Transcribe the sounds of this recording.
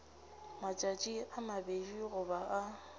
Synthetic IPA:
mat͡ʃʼat͡ʃʼiamabed͡ʒiɣʊbaʔa

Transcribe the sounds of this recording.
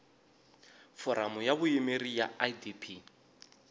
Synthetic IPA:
fɔɾamujaβuimerijaadipʰi

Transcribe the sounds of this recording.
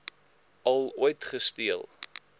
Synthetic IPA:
ɐlˠuəjtχəstiəlˠ

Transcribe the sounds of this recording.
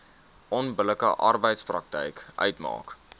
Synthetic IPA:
ʔɔnbələkə̰ʔɐrbəjtsprɐk̚tə̰jkʔœ̰ɥtmɑ̰ːk

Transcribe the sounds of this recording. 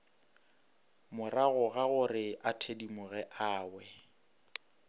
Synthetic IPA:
mʊraɣʊɣaɣʊrɪatʰedimʊɣɛʔaːwɛ

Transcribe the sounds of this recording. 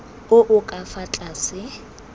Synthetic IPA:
ʊʔʊkʼafat͡ɬʼaːsɪ

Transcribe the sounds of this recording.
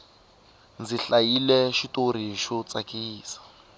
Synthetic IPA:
nd͡ziɬailɛʃitʼoɾiʃɔt͡sakʼiiːsḁ

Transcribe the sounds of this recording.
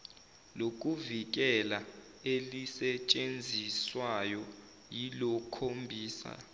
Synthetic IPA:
lok̬ʼuvik̬ɛla | elisɛt͡ʃʼend͡zʱiswajɔ | jilɔkʰombʱiːsa̰

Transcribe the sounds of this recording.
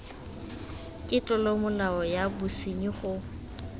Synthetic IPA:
kʼɪt͡ɬʼɔlɔmʊlaɔjabusiɲiχʊ

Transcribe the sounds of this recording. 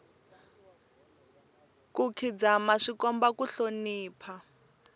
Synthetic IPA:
kukʰid͡zamaʂikɔmbakuɬoniːpʰa

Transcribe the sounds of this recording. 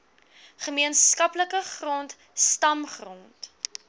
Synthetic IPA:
χəmiənskɐpləkəχrɔnt | stɐmχrɔnt

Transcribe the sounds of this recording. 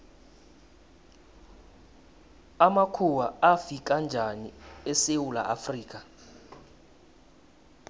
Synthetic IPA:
amakʰuwaafikʼand͡ʒʱaniɛsewula̰ʔafriːkʼa

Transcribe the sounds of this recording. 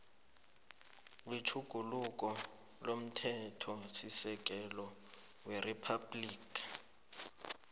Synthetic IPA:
witʰuɡ̥ʱuluk̬ʼɔ | lom̩tʰɛtʰɔsisɛk̬ʼɛlɔ | weripʰabliːkʰḁ

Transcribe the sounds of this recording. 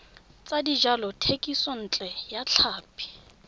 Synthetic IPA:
t͡sʼadid͡ʒalɔtʰekʼisɔn̩ːt͡ɬʼɛjat͡ɬʰaːpʰʼi̥

